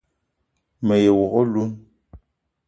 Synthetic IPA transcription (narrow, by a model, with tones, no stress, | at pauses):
mə˨je˨wɔ˨ɣɔ˦lu˦n